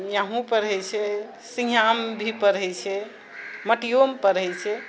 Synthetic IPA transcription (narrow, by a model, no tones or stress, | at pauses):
jaɦũpəɾɦəjt͡ʃʰɛ | sĩjambʱipəɾɦəjt͡ʃʰɛ | məʈijompəɾɦəjt͡ʃʰɛ